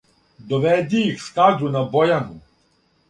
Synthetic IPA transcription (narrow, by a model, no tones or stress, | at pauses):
d̪ɔʋɛd̪ʲijixskazʊnɐbɔjanʊ